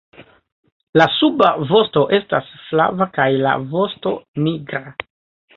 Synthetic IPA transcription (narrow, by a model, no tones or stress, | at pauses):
lasubavo̞sto̞ʔe̞stasfla̰vakajla̰vo̞sto̞niɡɾa